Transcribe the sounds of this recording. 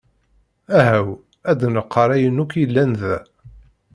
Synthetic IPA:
æɦæw | æd̪nəqʰːəɾˤæjənːukjəlːænðæ

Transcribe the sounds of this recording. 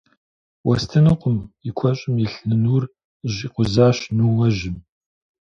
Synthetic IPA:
wʔɐstʰɨnɨqʷʊmikʷʰɔɕʼɪmjɪɬnɨnuːr | ʑiqʷʊzaːɕnuːwɐʒɪm

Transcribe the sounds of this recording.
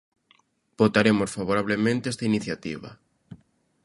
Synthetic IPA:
b̥ot̪aɾemosfaβoɾaβ̞lemẽnt̪eest̪ainiθjat̪ḭβɐ̰

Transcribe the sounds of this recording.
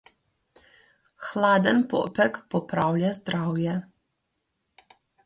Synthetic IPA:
xlaːd̪ənpɔ̰ːpɛkpɔpɾawlʲjazd̪ɾaːwjɛ

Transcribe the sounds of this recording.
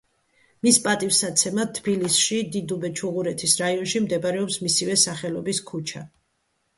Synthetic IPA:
mispʼat̪ʼifsat̪sʰɛmat̪ʰbilisʃid̪id̪ubɛt͡ʃʰuʁuɾɛt̪ʰisɾaiɔnʃimd̪ɛbaɾɛɔpsmisivɛsaχɛlɔbiskʰut͡ʃʰa

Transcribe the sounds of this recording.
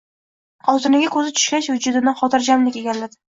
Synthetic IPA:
ɒzɪnɪɡʲakʰɵzɪt̪ʰʊ̥ʃkʲaʃvʊd͡ʒʊd̪ɪnaχɒt̪ʰɪɾd͡ʒamlɪkʲeɡʲanlad̪ɪ

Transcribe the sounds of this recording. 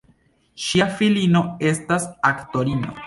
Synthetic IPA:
ʃiafilino̞e̞stasakto̞ɾino̰

